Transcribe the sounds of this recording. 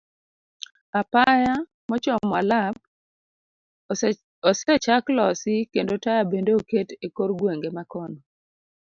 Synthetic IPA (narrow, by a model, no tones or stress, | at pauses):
apaja | mɔt͡ʃɔmwalap̚ | ɔsɛt͡ʃaklɔsɪkendotajabendeoketekoɾɡweŋɡemakɔnɔ